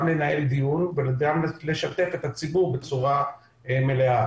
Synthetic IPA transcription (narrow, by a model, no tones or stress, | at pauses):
mle̞nae̞ld̪ijunveɡamle̞ʃat̪e̞fe̞t̪hat͡sibuʁbe̞t͡suʁa | eme̞lea